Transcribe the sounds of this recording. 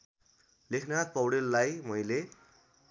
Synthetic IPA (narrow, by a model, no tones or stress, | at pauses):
lekʰnapʌwɽelːajmʌjle